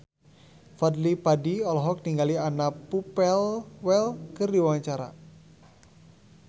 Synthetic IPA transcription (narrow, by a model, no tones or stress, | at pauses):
fadlipadiɔlɔɦɔk̚niŋɡalianapupɛlwɛlkərdiwaɲt͡ʃaɾa̰